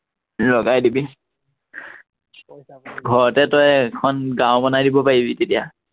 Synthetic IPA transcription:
lɔɡajdibi | ɡʱɔɹɔtɛtɔjkʰɔnɡãwbɔnajdibɔpaɹibitetija

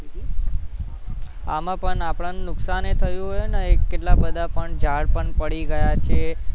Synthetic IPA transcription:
a̰mãpəɳapɭannʊksanet̪ʰəjũɦojnaekːeʈlabəd̪ʱapəɳd͡ʒaɽpəɳpəɽiɡəjat͡ʃʰe

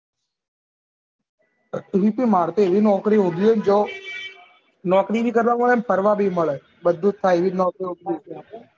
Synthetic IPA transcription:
ʋiːpĩːmaːɽt̪eːʋiːnɔːkɾiːɦũːnd̪iənd͡ʒoː | nɔːkɾiːbʱiːkəɾʋaːməɭeːnpʰəɾʋaːbʱiːməɭe | bəd̪ːuːt̪t̪ʰːaːeʋiːnɔːkɾiːɦõːnd̪iõi

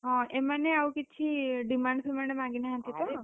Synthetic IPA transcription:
ɦãemãneaũkɪtːʃʰiɖimãɳɖsəmãɳɖemãɡinãɦət̪it̪o

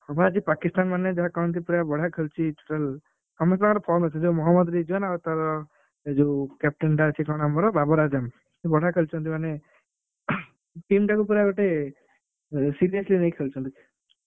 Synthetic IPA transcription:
ɔmaɾd͡ʒipakist̪anmaned͡ʒaɦakant̪ʰipuɾabɔɽ̤ʱakʰelt͡ʃʰiʈuʈal | kɔmesakɾɔpʰɔmɔt͡ʃʰɔd͡ʒomɔɦɔmːɔd̪ɾid͡ʒuanaɡɔt̪ːaɾɔ | ed͡ʒokɛp̚ʈenʈat͡ʃʰikɔɽ̃amɔɾɔbabɔɾad͡ʒam | ebɔɽ̤ʱakʰelt͡ʃʰɔnt̪ʰimane | ʈimʈakupuɾaɡɔʈe | siɾiɔslinejkʰelt͡ʃʰɔnt̪ʰi

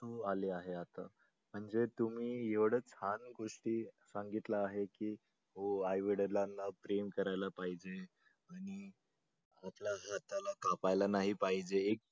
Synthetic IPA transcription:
t̪oaliaɦeat̪a̰ | m̤əɳd͡zet̪um̤iːjeʋɽ̤ət͡shanɡoʂʈiːsaŋɡit̪laːɦekiː | ɦoajʋeɽəɾlanːapɾemkəɾajlapaɦid͡ʑe | aɽ̃i | at̪laɦat̪ːalakapajlanaɦipaɦid͡ʑeːk̚

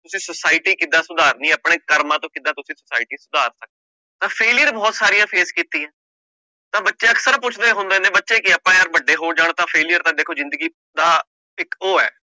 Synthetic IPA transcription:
t̪ʊsĩːsəsaːɪʈiːkɪd̪ãːsʊd̪aːɾnĩːəpɽ̃eːkəɾmãːt̪õːkɪd̪ãːt̪ʊsĩːsʊsaːɪʈiːsʊd̪aːɾsək̚d̪e | t̪ãːpʰeːlɪjəɾbɔːt̪saːɾijãːpʰeːskiːt̪ĩːɛ̃ː | t̪ãːbətːʃeːəksəɾpʊt͡ʃʰd̪eːɦõnd̪eːnẽːbətːʃeːkɪapãːəɾbəɖːeːɦoːɾd͡ʒaːɳ̃t̪ãːpʰeːlijəɾt̪ãːd̪eːkʰːoːzɪ̃nd̪əɡiː | d̪aː | pɪkoːɛ̰ː

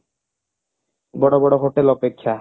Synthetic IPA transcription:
bɔɽobɔɽoɦoʈelɔpekʰːa

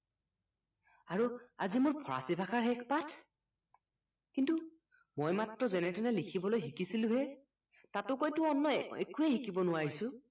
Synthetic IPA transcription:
aɹuazimʊɹpʰɔɹa̰sibʱakʰaɹɦɛkʰpatʰ | kintu | mojmatɹɔzɛnɛtɛnɛlikʰibɔlojɦikisilʊ̃ɦɛ | tatʊkojtʊɔnːɔḛkuɛhikibɔnʊwaɹisʊ̃

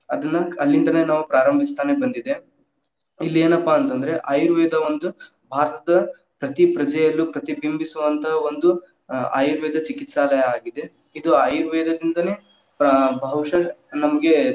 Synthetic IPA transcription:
ɐd̪ɐnːɐɐlːind̪ɐne̞ːnaːʋupɾaːɾɐmbʱist̪aːne̞bɐnd̪id̪e̞ | ilːieːnɐpːaːnt̪ɐnd̪ɐɾe̞ʔaːjuɾʋɛːd̪ɐo̞nd̪u | bʱaːɾɐt̪ɐd̪ɐ | pɾɐt̪ipɾɐd͡ʒɐjɐlːupɾɐt̪ibimbisuʋɐnt̪ʰɐɦɐo̞nd̪u | a̰ːjuɾʋɛːd̪ɐt͡ʃikit̪saːlɐjɐaːɡid̪e̞ | id̪uaːjuɾʋɛːd̪ɐd̪ind̪ɐne̞ː | pɐbʱɐwʂɐnɐmɐɡe̞

